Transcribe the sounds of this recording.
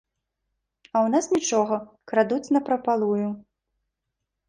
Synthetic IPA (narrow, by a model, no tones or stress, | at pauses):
ɐwnasnʲit͡ʂɔɣɐ | kɾad̪ut͡sʲnɐpɾɐpalˠuju